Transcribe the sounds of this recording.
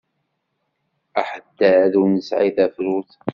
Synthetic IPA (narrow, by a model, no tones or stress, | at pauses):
aħəd̪ːæːðunəsʕiðæfɾuθ